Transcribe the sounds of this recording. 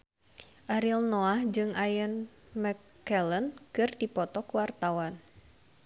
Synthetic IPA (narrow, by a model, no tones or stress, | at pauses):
ʔaɾilnoahd͡ʒɨŋʔajən | mɛ | ɛlənkɨrdipɔt̪ɔkuwart̪awan